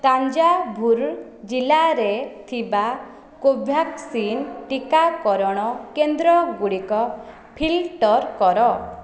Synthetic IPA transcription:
t̪aɲd͡ʒabʱuɾ | d͡ʒilaɾet̪ʰiba | kobʱjaksinʈikakɔɾɔɽ̃ɔkend̪ɾɔɡuɽikɔ | pʰilʈɔɾkɔɾɔ

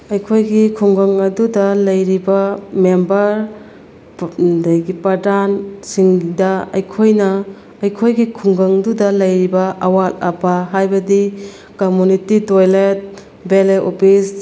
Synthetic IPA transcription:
ɐjkʰojɡikʰuŋɡɐŋɐdudɐlɐjɾibɐmembɐɾ | dajɡipɾɐdansiŋdɐɐ̰jkʰojnɐː | jkʰojɡikʰuŋɡɐŋdudɐlɐjɾibɐʔɐwalɐpaɦajbɐdi | komunititojlet̚ | beleʔopʰis

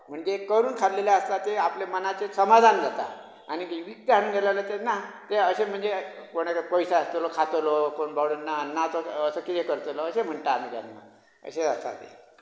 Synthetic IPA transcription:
m̤əɳd͡zekəɾuːnkʰad̪leljaəst̪at̪eaplemənat͡sesəmad̪ʱand͡zʱat̪a̰ | añiʋik̚t̪əɦaɽ̃uːnɡʱelalət̪enat̪eəsem̤əɳd͡zekoɽ̃ekpəjsaəst̪olokʰat̪olokoɳbʱawɽunːanːat͡soəsəkit̪ekəɾt̪olɔːsem̤əɳt̪aːm̤iɡa̰nːa̰ | ə̰sed͡zast̪a̰t̪ḛ

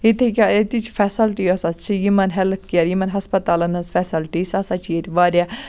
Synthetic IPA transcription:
it̪ʰikʲaet̪it͡ʃʰfɛsɐlʈiosɐst͡ʃʰijimɐnɦɛlkkiɐɾjimɐnɦɐspɐt̪aːlɐnɐsfɛsɐlʈisɐsɐt͡ʃʰjet̪ʲiʋaːɾʲa

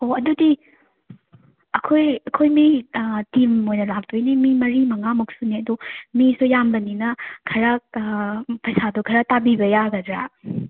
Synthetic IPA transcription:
hoɐdudi | ɐkʰojɐkʰojmitimojnɐlak̚dujnimimɐɾimɐŋamuk̚suniɐdumisujambɐninɐkʰɐɾa | pɐjsadukʰɐɾatabibɐjaɡɐdɾa

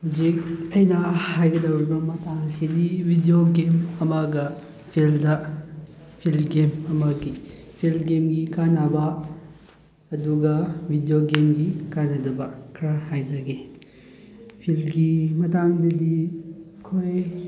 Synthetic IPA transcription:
huzik̚ɐjnɐhajɡɐdɐwɾibɐmɐtaŋsidibʱidijoɡemɐmaɡɐ | pʰildɐ | pʰilɡemɐmaɡi | pʰilɡemɡikanabɐ | duɡɐbʱidioɡemɡikanɐdɐbɐkʰɾɐhajzɐɡe | pʰilɡimɐtaŋdɐdikʰoj

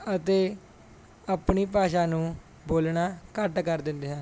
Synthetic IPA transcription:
ət̪eː | aːpɳiːp̬aːʃaːnũː | boːlɳaːkəʈkəɾd̪ɪ̃nd̪eːɦə̃ːn

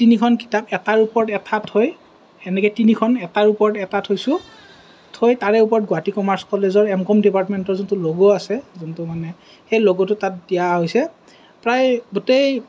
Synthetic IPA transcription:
tinikʰɔnki̥tapɛtaɹupɔɹɔtɛtʰatʰhoj | ɛnɛkɛtinikʰɔnɛtaɹupɔɹɔtɛtatʰhojsʊ̃ | tʰojtaɹɛupɔɹɔt̚ɡʊatikɔmaɹskɔlezɔɹɛmkɔmdipaɹtmɛntɔɹzɔntʊloɡoasɛzɔntʊmanɛ | xejloɡotʊtat̚dijaɦojsɛ | pɹajɡutej

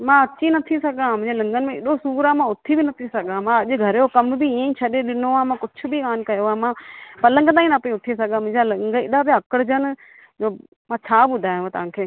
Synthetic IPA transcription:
mãːɐt͡ʃinɐt̪ʰisɐɡãːmʊ̃ɪ̃d͡ʑeːlɐ̃ŋɡənmẽɪɗosuːɾãmãʊt̪ʰibʱinɐt̪ʰisɐɡãmãɐʄɡʱɐɾeokɐmbʱiiẽĩt͡ʃʰɐɗeɗɪnoãːmãːkʊt͡ʃʰʊbʱikaːnkɐjoamãːpɐlə̃ŋɡt̪aːĩnapĩʊt̪ʰisɐɡãmʊ̃ːd͡ʑalɐ̃ŋɡəɪɗabʱijaɐkəɽd͡ʒən | d͡ʒoː | mãːt͡ʃʰaːbʊd̪ʱaːɦjũt̪ɐʋ̤ãːkʰeː

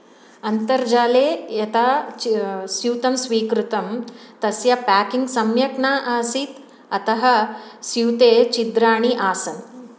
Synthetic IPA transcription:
ɐnt̪ɐɾd͡ʒaːleːjɐt̪a | sjuːt̪ɐmsʋiːkɾut̪ɐmt̪ɐsjɐpaːkiŋɡsɐmjɐknaːʔaːsiːt̪ | ɐt̪ɐɦɐ̆sjuːt̪eːt͡ʃid̪ɾaːɽ̃iʔaːsɐn

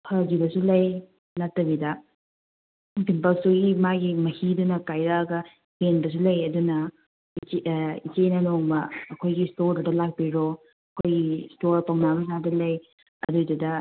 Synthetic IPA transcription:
hʰad͡ʒibɐsulɐj | nɐtːɐbidɐ | biŋpɐlsuɡimaɡimɐhidunɐkajɾaɐɡɐ | henbɐs̬ulɐjɐdunɐ | it͡ʃenɐnoŋbɐːkʰojɡistoɾdudɐlak̚biɾo | ɐkʰojɡistoɾpɐwnabɐsadɐlɐj | ɐ̰dojdudɐ

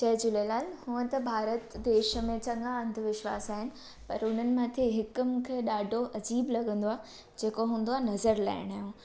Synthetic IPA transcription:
t͡ɕɐɦd͡ʑʊlelaːlhũːə̃t̪ɐbʱaːɾət̪d̪eːʃəmẽt͡ɕɐ̃ŋɡaɐ̃nd̪ʱʊʋɪʃʋa̰ːsaːɦɪnɪ̆ | pɐɾʊn̤ənɪ̆mãːt̪ʰeɦɪkʊmũːkʰeɗaːɖʱoʔɐd͡ʑiːblɐɠə̃nd̪oaː | d͡ʑeːkoɦũːnd̪oaːnɐzəɾla̰ːɪɽ̃aːɦjũː

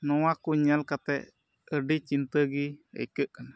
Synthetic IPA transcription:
nɔ̃wakuɲalkat̪ɛ̰ | əɖit͡ʃint̪əɡiḛkəkən

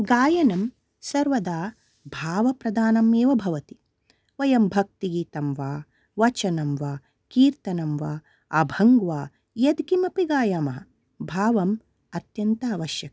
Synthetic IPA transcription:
ɡaːjɐnɐm | sɐɾʋɐd̪aː | bʱaːʋɐpɾɐd̪aːnɐmeːʋɐbʱɐʋɐt̪i̥ | ʋɐjɐmbʱɐk̚t̪iɡiːt̪ɐmʋaː | ʋɐt͡ʃɐnɐmʋaː | kiːɾt̪ɐnɐmʋaː | ɐ̰bʱɐŋɡʋaː | jɐd̪ɡimɐpiɡaːjaːmɐɦɐ | bʱaːʋɐm | ɐt̪jɐnt̪ɐːʋɐʃjɐkɐ

